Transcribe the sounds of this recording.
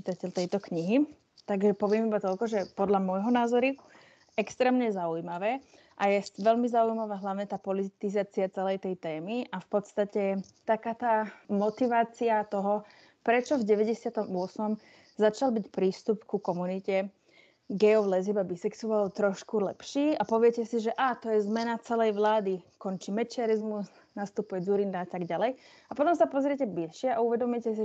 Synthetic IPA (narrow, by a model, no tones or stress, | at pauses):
it̪acɛlt̪ɛjt̪ɔkɲiɦi | t̪aɡʒɛpɔʋɪɛmibat̪ɔlkɔʒɛpɔd̪ʎamɔjɦɔnaːzɔɾi | ɛkst̪ɾɛːmɲɛzaujmaʋɛː | ʔajɛʋɛʎmizaujmaʋaːɦlaʊɲɛt̪aːpɔlit̪izaːt͡siat͡sɛlɛjt̪ɛjt̪ɛːmiʔafpɔt̪st̪acɛ | t̪akaːt̪aːmɔt̪iʋaːt͡siat̪ɔɦɔ | pɾɛt͡ʃɔvɟɛʋɛɟɛsɪat̪ɔmʊɔsmɔm | zat͡ʃalbicpɾiːst̪upkukɔmunicɛ | ɡɛɔʋlɛzibabisɛksuʋalt̪ɾɔʃkulɛ̰pʃiːapɔʋɪɛcɛsiʒɛʔat̪ɔjɛzmɛnat͡sɛlɛjʋlaːd̪ikɔnt͡ʃimɛt͡ʃɪaɾizmus | nast̪upujɛd͡zuɾind̪aat̪aɡɟalɛj | apɔt̪ɔmsapɔzɾɪɛcɛblilʃɪɛʔauʋɛd̪ɔmʊɛcɛs̬i